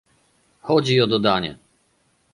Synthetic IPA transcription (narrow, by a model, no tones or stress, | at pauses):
xɔd͡ʑiɔd̪ɔd̪aɲɛ̰